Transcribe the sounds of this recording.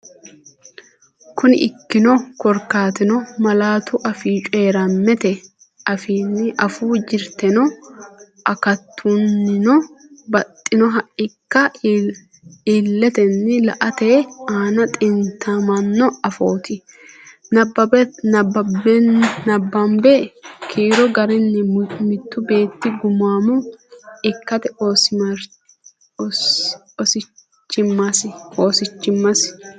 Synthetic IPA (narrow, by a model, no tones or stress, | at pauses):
kʊnɪ̰ʔɪkːɪnɔkɔɾkaːt̪ɪnɔmɐlaːt̪ʊʔɐfiːt͡ʃʼe̞ːɾɐmːɛt̪ɛ | ʔɐfiːnːɪʔɐfuːd͡ʒɪɾt̪ɛnɔ | ʔɐkɐt̪ʰːunːɪnɔbɐt̪ʼːɪnɔɦɐʔɪkːɐ | ilːɛt̪ɛnːɪlɐ̰ʔɐt̪eːaːnɐt̪ʼɪnt̪ʰːamɐnːɔɐfoːt̪ʰɪ | nɐbːɐbɛbbɛnɐbːɐmbɛkʰiːɾɔɡɐɾɪnːɛmɪt̪ːʊbe̞ːt̪ːɪɡʊmaːmʊɪkːɐt̪ɛos | sɪ | t͡ʃːɪmːɐsoːsɪt͡ʃːɪmːɐs